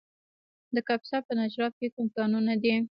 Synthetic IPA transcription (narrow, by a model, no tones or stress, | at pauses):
d̪əkɑbsɑpənad͡ʒɾɑf̚kekʊmkɑnunad̪i